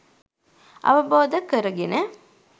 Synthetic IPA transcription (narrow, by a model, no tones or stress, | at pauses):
ʔɐ̰ʋɐboːd̪ɐkːəɾɐɡenə